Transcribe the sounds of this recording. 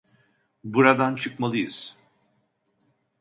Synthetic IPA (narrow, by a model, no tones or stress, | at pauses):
buɾad̪ant͡ʃʰɯkmalˠɯjɯz̥